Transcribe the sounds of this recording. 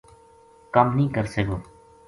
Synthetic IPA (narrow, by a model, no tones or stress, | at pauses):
kəmnɦĩːkəɾseːɡoː